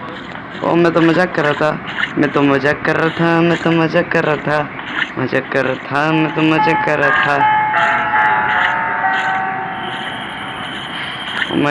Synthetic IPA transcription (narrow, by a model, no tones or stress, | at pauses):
o̰mɛ̃t̪omɐd͡ʒakəɾat̪ʰamɛ̃t̪omɐd͡ʒakəɾat̪ʰamɛ̃t̪oməd͡ʒakəɾat̪ʰa | məd͡ʒakːəɾat̪ʰamɛ̃t̪omɐd͡ʒakəɾat̪ʰa | o̰m